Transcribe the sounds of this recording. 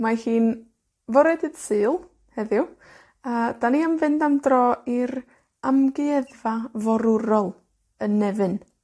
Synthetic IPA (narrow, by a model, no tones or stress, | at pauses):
mahiːn | vɔɾɛdɨd̥sɨːlˠ | hɛðɪw | əːd̥aniamvɨndamdrɔːiɾ | amɡɪɛðvavɔɾʊɾɔlˠ | ənːɛvɨn